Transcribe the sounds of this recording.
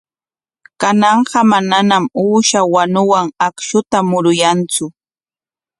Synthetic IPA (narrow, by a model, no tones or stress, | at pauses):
kanɑɴɢɑmananamuːʃawanʊwaŋakʃʊt̪amʊɾʊjant͡sʊ